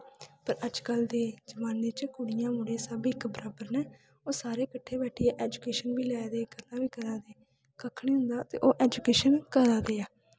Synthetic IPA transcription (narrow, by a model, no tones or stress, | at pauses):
pəɾəd͡ʒkəld̪eːd͡ʒəmaːneːt͡ʃkʊɽɪjãːmʊɽẽːsəbɪkbəɾaːbəɾnɛː | oːsaːɾeːkəʈʰːeːbɛːʈʰijɛːʔɛːd͡ʒʊkeːʃənbiːlɛːd̪eːɡəlːãːbiːkəɾaːd̪eː | kəkʰːɽeːɦʊ̃nd̪aːt̪ḛːʔoːʔɛːd͡ʒuːkeːʃənkəɾaːd̪eːaː